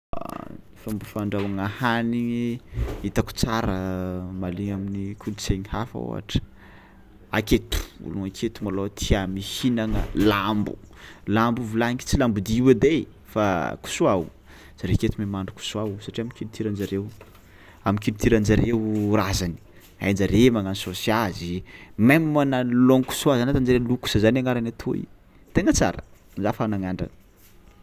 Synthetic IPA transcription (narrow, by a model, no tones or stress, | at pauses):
ifambufaɳɖ͡ʐawaŋahaniŋiit̪aku̥t͡saɾəmaliɲaminikʰult͡seɲihafa̰o̰ɦa̰ʈ͡ʂə̥ | aket̪u̥ṵluŋakʰet̪umalot̪ʰiamihinaŋə̰lambṵlambuvulaŋki̥t͡silambud̪iiwəd̪e | faku̥suaw | z̥aɾeket̪umemaɳɖ͡ʐuku̥suawsaʈ͡ʂiamikilit̪ʰiɾand͡ʒaɾew | amikilit̪iɾand͡ʒaɾewrazani̥ | a̰jnd͡ʒaɾemaŋansosiazimammanaloŋku̥suazanat̪and͡ʒaɾeluku̥səzanaŋaɾanat̪ʰoḭ | t̪eŋət͡sa̰ɾə̰ | nzafanaŋaɳɖ͡ʐa̰nə